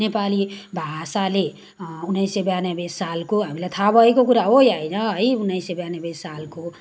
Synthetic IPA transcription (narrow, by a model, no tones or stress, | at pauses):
nepalibʱasale | unːajsebjanebessalkoɦamilat̪ʰabʱʌekokuɾaojajnʌʌiunːəisebjanebessalko